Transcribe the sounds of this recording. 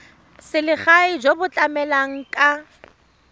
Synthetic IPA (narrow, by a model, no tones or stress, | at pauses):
sɪlɪχaɪd͡ʒobʊt͡ɬʼamɛlaŋ̩kʼa